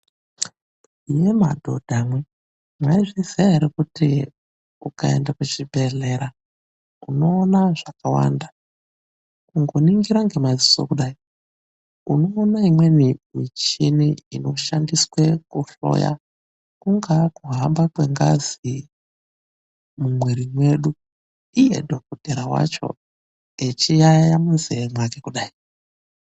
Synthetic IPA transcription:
jema̰dʱo̞̰d̥ʱamwe | mwaiʐiziaɾikuti | ukaḛndaket͡ʃibʱe̞ɮe̞ɾa | uno̞ːnaʐakawa̰ːnda | uŋɡo̞niŋɡiɾaŋɡe̞maziso̰kuɗai | uno̞ːnaimwe̞nimit͡ʃiniino̞ʃandiswekuɬo̞̰ja̰ | kuŋɡakuɦambakwe̞ŋɡa̰zi | mumweɾimwe̞ɗu | ijḛdʱo̞kod̥ʱeɾawa̰t͡ʃo̞̰ | et͡ʃijajamunzeemwakekuɗaːi

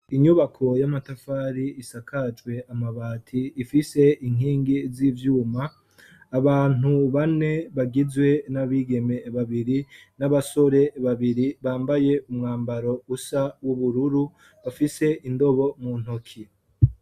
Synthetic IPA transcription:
iɲuβakʰo̞jamatafaːɾiisakʰat͡ʃɡwe̞ʔamaβaːtʰiːfise̞iŋ̥iːŋɡizivjuːmaː | βaːn̥uβane̞βaɡizwe̞naβiːɡe̞me̞βaβiɾinaβaso̞ɾe̞βaβiɾiβaːmbaje̞umŋaːmbaɾo̞usawuβuɾuɾu | βafise̞ʔindo̞βo̞mun̥hokʰi

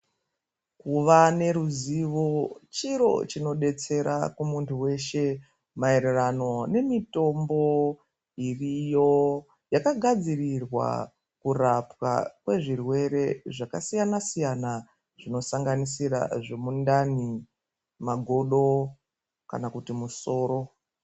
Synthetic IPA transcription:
kuʋane̞ɾuziʋo̞t͡ʃiɾo̞̰t͡ʃino̞ɗe̞t͡se̞ɾa̰kumuntʰuwe̞ʃe̞ | mae̞ɾerano̞ne̞mito̞mbo̞ | irijo̞ | jakaɡʱad͡zirirwa̰ | kurapwa̰kwe̞ʐirwe̞ɾe̞ʐakasijanasijana | ʐ̥ino̞saŋɡanisiɾa̰ʐe̞mundani | maɡʱo̞ɗo̞ | ka̰nakutimuso̞ːɾo̞

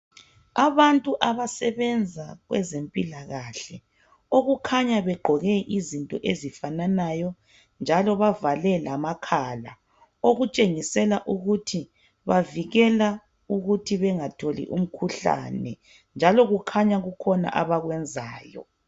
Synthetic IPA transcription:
aβantʼuʔaβasɛβɛnd͡zʱaɣwɛ̰zempʼilaɣaɬɛ | oɣukʰaɲaβɛɡ͡ǃʱɔɣɛʔizintʼɔ̰ʔezifananajɔ | nd͡ʒʱalɔβavalɛlamakʰala | oɣut͡ʃʼeŋisɛlaʔuɣutʰi | βaviɣɛla | uɣutʰiβɛŋatʰolḭʔum̩kʰuɬa̰nɛ̰ | nd͡ʒʱalɔɣukʰaɲaɣukʰɔna̰ʔaβaɣwɛnd͡zʱaːjɔ̰

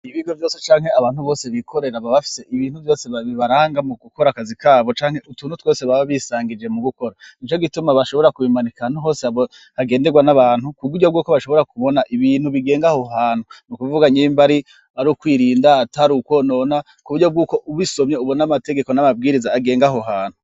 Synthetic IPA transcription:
iβiɡo̞vjo̞ːse̞t͡ʃaːŋhe̞aβaːn̥huβo̞ːse̞βikʰo̞ɾe̞ɾaβaβafi̥se̞ʔiβiːn̥huvjo̞ːse̞βaβiβaɾaːŋɡamuɡuko̞ɾakazikaːβo̞t͡ʃaːŋ̥he̞ʔutuːnutwo̞ːseβaβaβisaːŋɡid͡ʒe̞muɡuko̞ɾaint͡ʃo̞ɡitumaβaʃo̞βo̞ɾakuβimanikanuɦo̞ːseaβo | haɡe̞ːnde̞ɡwanaβaːnhukuβuɾɟo̞b̚ɡuːkoβaʃo̞βo̞ɾakuβo̞naʔiβiːn̥huβiɡe̞ːŋɡaho̞ɦaːn̥hunukuvuɡaɲembaɾi | aɾukwiːɾiːndataɾukwo̞nona | kuβuɾɟo̞b̚ɡuːko̞ʔuβiso̞mɲe̞uβonamate̞ɡe̞ko̞namab̚ɡiːɾizaːɡe̞ːŋɡaɦo̞ɦaːn̥hu

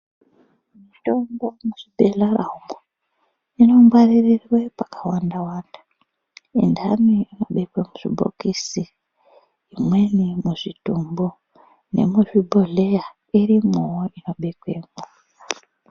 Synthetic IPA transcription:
mito̞mbomuʐibʱeɮaraumo | ino̞mɡwaririrwepakʰawandawaːndḁ | indaniːno̞ɓekwemuʐḭbʱo̰kisiː | mwe̞nimuʐitumbo | ne̞̰muʐibʱoɮeja | iɾimuwoʔino̞ɓekwemu

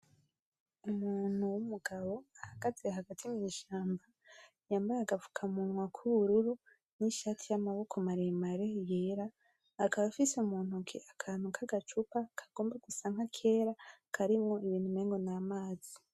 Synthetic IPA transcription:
umuːn̥huwumuɡaβo̞ahaɡ̥azeɦaɡatʰimɲiʃaːmba | jaːmbaɾaɡavu̥kʰamunwakʰuβuɾuɾu | niʃatʰijamaβo̞kʰomaɾemaɾe̞jeːɾaː | kaβafiseumuːn̥hukiʔakʰaːn̥ukʰaɡat͡ʃupakʰḁɡ̥o̞ːmbaɡusaːŋ̥hakʰe̞ːɾakʰaɾimŋo̞iβiːn̥humeːŋɡo̞namaːzi

